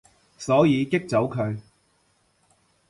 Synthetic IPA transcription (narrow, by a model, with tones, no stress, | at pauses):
sɔː˨˥jiː˨˧kɪ˥k̚t͡so˨˥wkʰɵ˨˧ɥ